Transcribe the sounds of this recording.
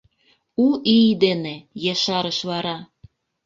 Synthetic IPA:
uʔid̪enejeʃɑɾəʃβɑɾɑ

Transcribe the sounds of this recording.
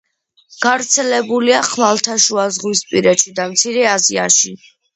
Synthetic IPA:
ɡ̥avɾt̪sʰɛlɛbuliaχmalˠt̪ʰaʃuazʁwispʼiɾɛt͡ʃʰid̪amt̪sʰiɾɛazia̰ʃi

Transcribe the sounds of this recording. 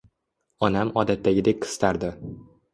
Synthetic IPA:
ɒnamɒd̪at̪ːaɡʲɪd̪e̞k̚ʲqʰɨ̥st̪ʰaɾd̪ɪ

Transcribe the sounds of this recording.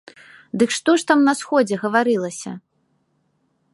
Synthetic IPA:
d̪ɨkʂt̪ɔʂt̪amnɐsxɔd͡zʲɛɣɐvaɾɨlˠɐsʲɐ̰

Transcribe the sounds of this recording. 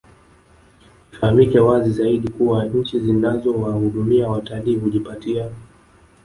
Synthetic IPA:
fahamikɛwazizaiɗikuwaɲ̩t͡ʃizinazɔwahuɗumiawataliːɦuʄipatia

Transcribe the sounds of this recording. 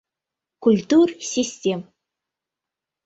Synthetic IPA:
kulʲt̪ursʲisʲtʲem

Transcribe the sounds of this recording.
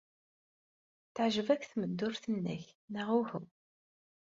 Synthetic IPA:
θəʕʒəvækːθməd̪ːʊɾθənːə̰çnəʁuhu

